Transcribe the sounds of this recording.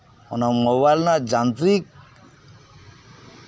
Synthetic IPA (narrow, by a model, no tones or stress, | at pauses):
ɔ̰namoβajlnad͡ʒant̪ɾik̚